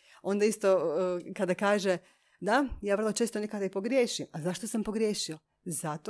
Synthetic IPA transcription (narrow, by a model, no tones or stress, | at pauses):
o̞nd̪aist̪okad̪akaːʒe | d̪ajaːr̩lˠo̞t͡ʃest̪onekad̪aipo̞ɡɾʲjeːʃimazaʃt̪osampo̞ɡɾjeːʃio | zat̪o